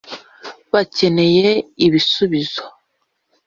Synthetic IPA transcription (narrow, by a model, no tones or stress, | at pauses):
βace̞ne̞jeiβisuβizo